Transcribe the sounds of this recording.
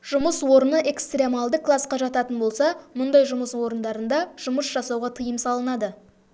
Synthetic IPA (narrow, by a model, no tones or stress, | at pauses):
ʒ̥ʊməswo̞ɾənəʔe̞kst̪rʲe̞mɑlˠd̪əkʰlˠɑsqɑʒɑt̪ɑt̪ənbo̞lˠsɑmʊnd̪ɑjʒʊməswo̞ɾənd̪ɑɾənd̪ɑʒ̥ʊməsʒ̥ɑsɑwʁɑt̪ʰəjəmsɑlˠənɑd̪ə